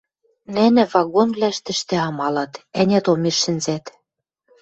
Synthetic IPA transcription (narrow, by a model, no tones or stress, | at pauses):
nɘ̆nɘ̆vɑɣonvβlʲæʃt̪ɘ̆ʃt̪ĕɑmɑlɑt̪ænʲæt̪omeʃːɘ̆nzæt̪